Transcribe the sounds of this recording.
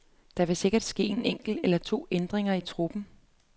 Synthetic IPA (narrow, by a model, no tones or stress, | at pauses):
d̥ɑ̈ʋe̝se̝ɡ̥ɐd̥sɡ̥e̝̰ːe̝neŋ̰ɡ̥l̩̥elɐt͡sʰo̝̰ːend̥ʁeŋɐit͡sʰʁub̥n̩